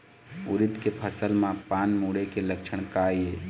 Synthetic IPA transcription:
ʊɾɪt̪kepʰəsəlmãpaːnmuɽekeləkt͡ʃʰəɳkaːjeː

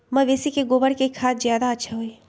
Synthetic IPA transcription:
mɐ̃ʋeːsikeɡoːbəɽkekʰaːt̪zjaːd̪aɐtːʃʰaɦoe

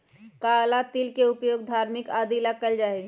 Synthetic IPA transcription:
kaːlat̪ilkeʊpjoːɡd̪ʱaːɾmɪkaːd̪ilakəld͡ʒaːe

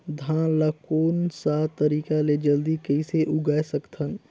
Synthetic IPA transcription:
d̪ʱãːlakoːnsaːt̪əɾiːkaled͡ʒəld̪ikəiseʔʊɡaːsəkt̪ʰən

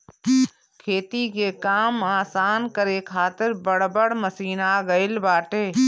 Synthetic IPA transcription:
kʰeːt̪ikekaːmaːsaːnkəɾekʰaːt̪ɪɾbɐɽbəɽməsiːnaɡɐɪlbaːʈeː

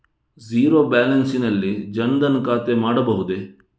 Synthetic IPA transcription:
ziːɾobaːlɐnsinɐlːid͡ʒɐnd̪ɐnkaːt̪emaːɽɐbɐɦud̪e

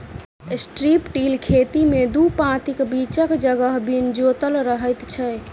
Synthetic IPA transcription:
sʈɾipʈilkʰet̪imed̪upãt̪ikbit͡ʃəkd͡ʒəɡəɦbʱind͡ʒot̪əlɾəɦəjt̪t͡ʃʰɛ

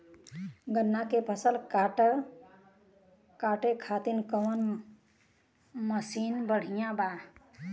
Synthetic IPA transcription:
ɡənːakepʰəsəlkaʈ | kaʈekʰat̪inkəwən | məsinbəɽ̤ijãba

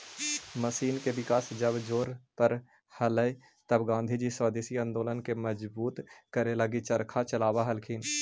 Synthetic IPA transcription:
məsiːnkebɪkaːsd͡ʒəbd͡ʒoːɾpəɾ | hələe | t̪əbɡãːnd̪ʱid͡ʒiswaːd̪eːsiə̃nd̪oːlənkeməd͡ʒbuːt̪kəɾeləɡit͡ʃəɾkʰat͡ʃəlaːwaɦəlkʰiːn

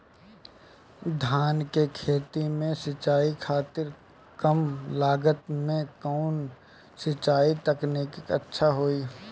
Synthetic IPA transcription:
d̪ʱaːnkekʰeːt̪imẽsɪt͡ʃaːikʰaːt̪ɪɾ | kəmlaːɡət̪mẽkaːn | sɪt͡ʃaːit̪ɐkneːkɪkɐ̰tːʃʰaɦoːiː

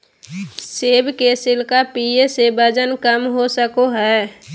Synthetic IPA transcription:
seːbkesɪlkapiesebəd͡ʒənkəmɦosəkoɦɛː

